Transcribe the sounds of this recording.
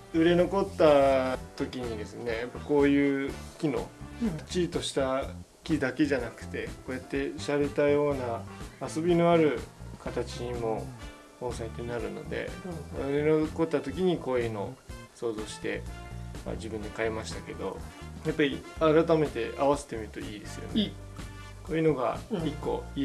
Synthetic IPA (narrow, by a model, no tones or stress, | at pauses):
ɯ̟ɾe̞no̞ko̞t̪ːat̪o̞kʲiɲ̟id̪e̞sɨne̞japːako̞ːjɯ̟ːkʲino̞̰̥t͡ɕiːt̪o̞ɕi̥t̪a | kʲid̪ake̞ʑanakɯ̟̥t̪e̞ko̞ːjat̪ːe̞ɕaɾe̞t̪ajo̞ːnaːso̞bʲino̞aɾɯ̟kat̪at͡ɕimo | hoːsãit̪oɲinaɾɯ̟no̞̰d̪e̞̰o̰ninoko̞t̪ːat̪o̞kʲiɲ̟iko̞ːjɯ̟no̞so̞ːzo̞ːɕi̥t̪e̞ma̰d͡ʑibɯ̟nd̪e̞kaemaɕi̥t̪ake̞d̪o̞̰japːaɾʲiaɾat̪ame̞t̪e̞ʔaβaset̪e̞mʲiɾɯ̟t̪o̞iːd̪e̞sɨjo̞̰ne | ko̞ːjɯ̟no̞ɡa̰ikːo̞̰i